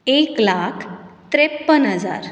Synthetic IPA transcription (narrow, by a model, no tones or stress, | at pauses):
eklakʰt̪ɾepːənɦəd͡za̰ɾ